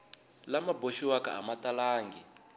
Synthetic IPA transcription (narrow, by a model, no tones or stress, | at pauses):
lamaboʃiwaka̰a̰matalaːŋɡi